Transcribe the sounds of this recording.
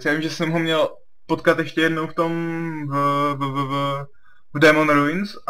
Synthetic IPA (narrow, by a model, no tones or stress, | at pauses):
sjaːvimʒɛsɛmɦomɲɛl | pot̪kat̪jɛʃcɛjɛdnowft̪o̞mvvv | vdɛmonɾovɪns